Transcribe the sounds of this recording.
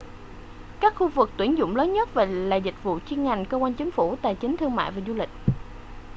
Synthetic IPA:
kaː˦˥k̚xu˧vɨ˨˩k̚t̪wi˧˩ənzʊ̰˧˨ŋ͡mləː˨˦nɲə˦˥t̚vaː˨˩la̰ː˧˨jzï˨˩k̟̚vṵ˧˨t͡ɕi˧ənŋa˨˩jŋ̟kə˧kwaː˧nt͡ɕi˨˦ŋ̟fu˧˩t̪a̰ː˧˨jt͡ɕï˨˦ŋt̪ʰɨ˧əŋma̰ː˧˨jvaː˨˩zu˧lï˨˩k̟̚

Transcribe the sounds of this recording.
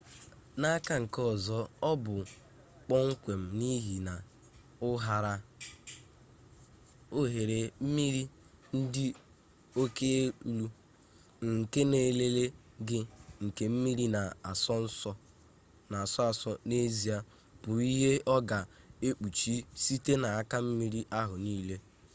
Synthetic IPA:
na˦a˦ka˦ŋ̩˨kɔ˦˨zɔ˦ɔ˦bʊ˨ | k͡pɔ˦ŋ̩˦kʷe˨m̩˨ni˦ɦi˨na˨ | ʊ˦ɦa˦ɾa˦ | o˦ɦe˨ɾe˨m̩˦mi˦ɾi˦ | n̩˦dɪ˦ | o˦ke˦lu˦ | ŋ̩˨ke˦ne˨le˦le˦ | ɡɪ˦ŋ̩˨ke˨m̩˦mi˦ɾi˦na˨a˨sɔ˦n̩˦sɔ˦ | na˨a˨sɔ˦a˨sɔ˦ne˦zi˨a˦ | bʊ˨i˦ɦe˦ɔ˦ɡa˨ | e˦k͡pu˨t͡ʃi˦si˦te˦na˨a˦ka˦m̩˦mi˦ɾi˦ʔa˦ɦʊ˨niː˦le˦

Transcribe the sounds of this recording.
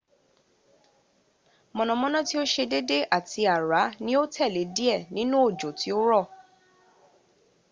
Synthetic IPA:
mɔ̃˧nɔ̃˨˧mɔ̃˦nɔ̃˦ti˦o˦ʃe˧de˦de˦ʔa˦˨tʰi˧a˨ɾa˨˦nĩ˦o˦tʰɛ˦˨le˨˦di˦ɛ˦˨nĩ˦nũ˦o˦˨d͡ʒo˨ti˨˦o˦ɾɔ˦˨

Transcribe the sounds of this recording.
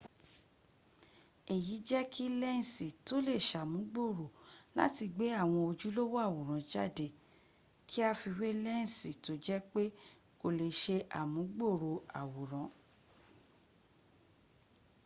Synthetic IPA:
e˨ji˨˦d͡ʒɛ˦kʰi˦lɛ˦ñ̩˦˨si˨to˦le˦˨ʃa˨mũ˨˦ɡ͡bo˦˨ɾo˨la̰˦ti˧ɡ͡be˨˦a˦˨w̃ɔ̃˧o˧d͡ʒu˦lo˦wo˦a˦˨wo˨ɾ̃ã˨˦d͡ʒa̰˦˨de˨ | kʰi˦a˧fi˧we˦lɛ˦ñ˦˨si˨to˨˦d͡ʒɛ˦k͡pe˦ | ko˧˨le˧ʃe˧ʔa̰˨mũ˨˦ɡ͡bo˦˨ɾo˨a̰˨wo˨ɾ̃ã˨˦

